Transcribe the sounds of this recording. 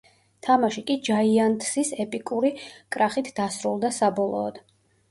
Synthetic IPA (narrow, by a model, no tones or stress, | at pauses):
t̪ʰamaʃikʼid͡ʒaiant̪ʰʼsisɛpʼikʼuɾikʼɾaχit̪ʰd̪asɾulˠd̪asabɔlˠɔ̰ːd̪̥